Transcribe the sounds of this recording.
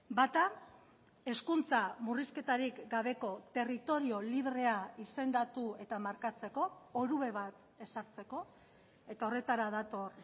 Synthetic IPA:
bat̪a | e̞skunt͡samuriske̞t̪aɾikɡaβ̞e̞ko̞t̪e̞rit̪o̞ɾio̞liβre̞aise̞nd̪at̪ue̞t̪amaɾkat͡se̞ko̞oɾuβe̞βat̪ | e̞saɾt͡se̞ko̞ | e̞t̪ao̞re̞t̪aɾaðat̪o̞r

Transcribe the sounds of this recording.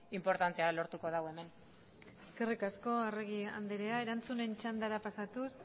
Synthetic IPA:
impo̞ɾt̪ant͡sialo̞ɾt̪uko̞ðawe̞me̞n | e̞ske̞rikasko̞areɣ̞ia̰nd̪eɾeae̞ɾant͡sune̞nt͡ʃand̪aɾapasat̪us

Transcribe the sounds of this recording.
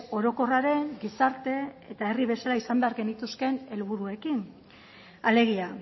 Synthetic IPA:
o̞ɾo̞ko̞raɾe̞ŋɡisaɾt̪e̞et̪ae̞riβ̞e̞salaisambe̞aɾɣe̞nit̪uske̞ne̞lβuɾue̞kin | ale̞ɣ̞ia

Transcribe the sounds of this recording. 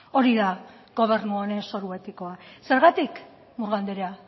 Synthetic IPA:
o̞ɾiða | ɡ̥o̞β̞e̞ɾnuoɾe̞so̞ɾue̞t̪iko̞ase̞ɾɣat̪ik | muɾɣand̪eɾea

